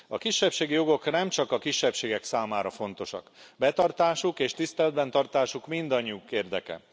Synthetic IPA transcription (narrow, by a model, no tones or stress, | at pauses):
ɒkiʃːɛpʃeːɡijo̞ɡo̞knɛmt͡ʃɒkɒkiʃːɛpʃeːɡɛksaːmaːɾɒfo̞nt̪o̞ʃɒ̰kbɛt̪ɒrt̪aːʃukeːʃt̪ist̪ɛlɛd̪bɛnt̪ɒrt̪aːʃukmind̪ɒɲːiukeːrd̪ɛkɛ̰